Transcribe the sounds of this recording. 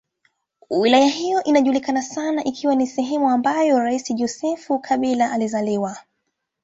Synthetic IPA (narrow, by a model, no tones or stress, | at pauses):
wilajahijɔʔinaʄulikanasanaʔikʰiwanisɛɦɛmuambajɔɾaisiʄɔsɛfukʰaɓilaʔalizaliwa